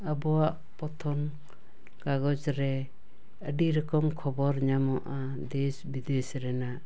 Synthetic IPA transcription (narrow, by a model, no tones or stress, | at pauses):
abɔwaʔ | pɔt̪ʰɔn | kaɡɔd͡ʒɾɛ | əɖiɾɔkɔmkʰɔbɔɾɲamɔʔa | d̪esbid̪esɾɛna